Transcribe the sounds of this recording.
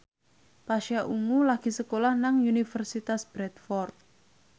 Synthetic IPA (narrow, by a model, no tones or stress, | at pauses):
paʃiaʔuŋulaɡ̥i̤səkolahnaŋunifərsit̪asb̥ɾɛt̪fɔrt̪̚